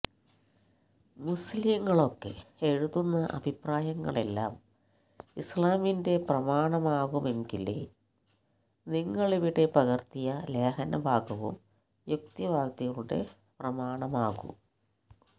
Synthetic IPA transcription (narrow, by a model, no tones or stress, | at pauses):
musliŋːɐɭo̞kːḛeɻuðunːɐʔɐ̰bʱipraːjɐŋːɐ̰ɭe̞lːa̰ːm | islaːminde̞prɐmaːɳɐmaːɣume̞ŋɡilḛ | niŋːɐɭiʋiɽe̞pɐɣɐrt̪ijɐle̞ːhɐnɐbʱaːɡɐʋṵm | juk̚t̪iʋʱaːkt̪iɣɐɭuɽe̞̰ | prɐmaːɳɐmaːɣṵm